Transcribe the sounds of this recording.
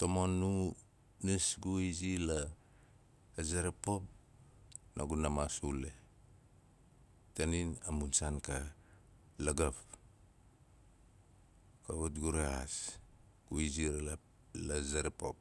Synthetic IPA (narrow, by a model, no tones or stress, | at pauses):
tomonːu | nisɡuizila | zaɾapop̚ | naɡunamasule | taninamunsanka | laɡap | kaβatɡuɾeas | ɡ̥uiziɾala | lazaɾepo̰p̚